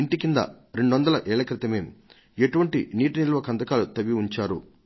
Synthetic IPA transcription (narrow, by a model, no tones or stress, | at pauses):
iɳʈikind̪ɐ̰ɾe̞ɳɖuʋɐnd̪ɐlɐʔɛːɭɐkɾit̪ɐmeːm | e̞ʈuʋɐɳʈḭniːʈinilʋɐkɐnd̪ɐkaːlut̪ɐʋiuɲt͡ʃaːɾṵ